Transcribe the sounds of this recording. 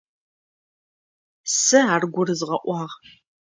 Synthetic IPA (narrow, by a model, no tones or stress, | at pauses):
sɨaːrɡʷʊrɨzʁɐʔʷɑːʁ